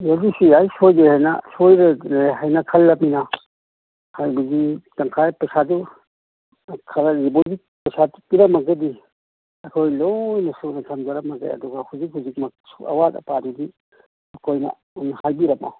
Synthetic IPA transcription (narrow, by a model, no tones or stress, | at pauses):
jadisiajsojdehajna̰sojɾeeɦajnakʰɐlːɐmina | hajbaɡitaŋkʰajpɐsadu | kʰaɾaɾibozi | pɐsadupiɾamaɡɯdi | akʰojlojnɐsunasʰamzaɾamaɡa̰jɐ̰duɡahuzik̚huzik̚mak̚sua̰watɐ̰padudi | ɐkʰojnɐ̰ | nhajbiɾɐma̰w